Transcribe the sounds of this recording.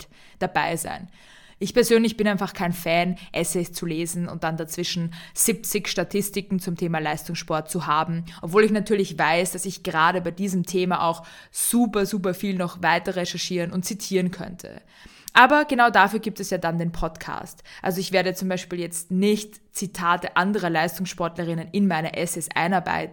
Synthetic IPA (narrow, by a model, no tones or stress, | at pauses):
d̥abaɪza̰ɪn | ʔɪçpɛɐzøːnlɪçb̥ɪnʔaɪnfaχkʰaɪnfɛːnʔɛsɛɪst͡suleːzn̩ʊ̰nt̚d̥andat͡sv̥ɪʃn̩z̥ip̚t͡sɪçʃtatʰɪstɪkŋ̩t͡sʊmtʰeːmalaɪstʊŋsʃpɔɐt̚t͡suɦaːbm̩ʔɔpv̥oːlɪçnatʰyːɐlɪçvaɪsd̥asɪçɡ̥əʁaːɾəbaɪdiːzəmtʰeːmaʔa̰ʊx | z̥uːpɐzuːp̬ɐfiːlnɔχvaɪtɐʁɛʃɛɐʃiːʁənʊntt͡sitʰiːʁənkʰœ̰ntʰə̰ | ʔaːbɐɡənaʊdafyːɐɡiːp̚tɛsjaːdandeːnpʰɔtkʰa̰ːstʔa̰lzoɪçv̥eːɐɾət͡sʊmbaɪʃpiːljɛt͡stnɪçt | t͡sitʰaːtəʔandəʁɐlaɪstʊŋsʃpɔɐtlɐʁɪnənɪnmaɪnɐʔɛsɛsʔa̰ɪnaɐba̰ɪt̚n